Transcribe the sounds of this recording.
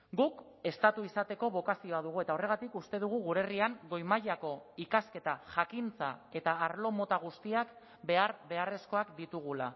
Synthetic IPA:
ɡuk | e̞st̪at̪uisat̪e̞ko̞β̞o̞kasio̞að̞uɣue̞t̪ao̞re̞ɣ̞at̪ikust̪e̞ð̞uɣ̞uɣuɾe̞riaŋɡo̞jmaʎako̞ikaske̞t̪aʝakint͡sae̞t̪aːɾlo̞mo̞t̪aɣ̞ust̪iak | be̞aɾβe̞are̞sko̞akd̪it̪uɣ̞ula

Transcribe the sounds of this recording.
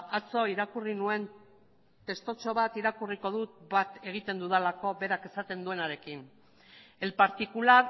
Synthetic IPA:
at͡so̞iɾakurinue̞n | t̪e̞st̪o̞t͡ʃo̞βat̪iɾakuriko̞ð̞ut̪bat̪e̞ɣ̞it̪e̞nd̪uðelako̞βe̞ɾake̞sat̪e̞nd̪ue̞naɾe̞kin | e̞lpaɾt̪ikulaɾ

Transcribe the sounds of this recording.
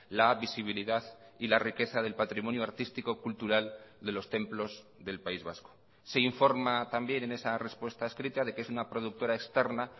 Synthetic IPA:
laβisiβ̞iliðaðilarike̞θaðe̞lpat̪ɾimo̞njuaɾt̪ist̪ikokult̪uɾald̪e̞lo̞st̪e̞mplo̞z | ðe̞lpaizβasko̥ | se̞iɱfo̞ɾmat̪ambje̞ne̞ne̞sare̞spwe̞st̪aeskɾit̪aðe̞keesunapɾo̞ð̞uk̚t̪o̞ɾae̞kst̪e̞ɾna

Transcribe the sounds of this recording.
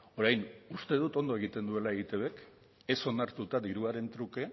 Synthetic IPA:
o̞ɾajnust̪e̞ð̞ut̪o̞nd̪o̞e̞ɣ̞it̪e̞nd̪ue̞laeɣit̪e̞βe̞k | e̞so̞naɾt̪ut̪aðiɾuaɾe̞nt̪ɾuke̞

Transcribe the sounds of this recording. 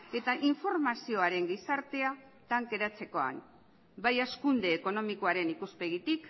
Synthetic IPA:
e̞t̪aʔiɱfo̞ɾmasio̞aɾe̞ŋɡisaɾt̪e̞a | t̪aŋke̞ɾat͡se̞ko̞a̰n | bajaskund̪e̞ːko̞no̞miko̞aɾe̞nikuspe̞ɣit̪ik

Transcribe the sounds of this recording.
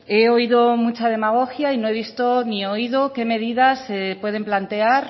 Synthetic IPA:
eoiðomut͡ʃað̞e̞maɣoxjainõeβ̞ist̪onioiðokeme̞ðiðasepwe̞ð̞emplant̪eaɾ

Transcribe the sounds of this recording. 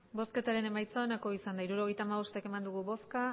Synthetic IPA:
bo̞ske̞t̪aɾe̞ne̞majt͡saenako̞isand̪aiɾuɾo̞ɣ̞e̞jt̪aːmaβ̞o̞st̪eke̞mand̪uɣuβo̞ska

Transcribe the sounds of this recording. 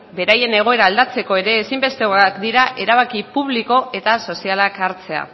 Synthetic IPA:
be̞ɾaje̞ne̞ɣ̞o̞e̞ɾaːld̪at͡se̞ko̞e̞ɾe̞ːsimbe̞st̪e̞oakd̪iɾaʔe̞ɾaβ̞akipuβ̞liko̞e̞t̪aso̞sialakaɾt͡se̞a̰

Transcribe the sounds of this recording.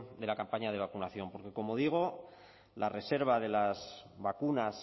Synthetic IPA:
d̪e̞lakampaɲað̞e̞β̞akunaθjo̞mpo̞ɾke̞ko̞mo̞ðiɣ̞o̞ | lʔare̞se̞ɾβ̞aðelazβakunas

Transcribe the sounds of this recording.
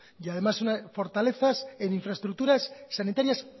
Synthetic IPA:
jaðe̞masunafo̞ɾt̪ale̞θaseniɱfɾaest̪ɾuk̚t̪uɾasːanit̪aɾjas

